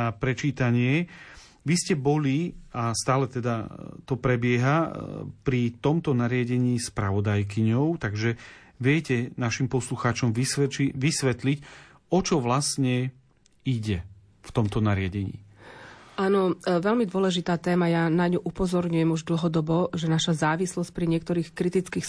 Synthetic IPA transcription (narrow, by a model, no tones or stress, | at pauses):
apɾɛt͡ʃiːt̪aɲɪɛ | ʋiscɛbɔliast̪aːlɛt̪ɛd̪at̪ɔpɾɛbɪɛɦapɾit̪ɔmt̪ɔnaɾɪaɟɛɲiːspɾaʋɔd̪ajk̬iɲɔʊt̪aɡʒɛ | ʋɪɛcɛnaʃimpɔsluxaːt͡ʃɔmʋisɛiʋisʋɛt̪lic | ɔt͡ʃɔʋlasɲɛ | iɟɛ | ft̪ɔmt̪ɔnaɾɪaɟɛɲḭː | aːnɔʋɛlmid̪ʊɔlɛʒit̪aːt̪ɛːmajanaɲuʔupɔzɔɾɲujɛmuʒd̪l̩ɦɔd̪ɔbɔʒɛnaʃazaːʋislɔsc̚pɾiɲɪɛk̚t̪ɔɾiːxkɾit̪it͡skiːx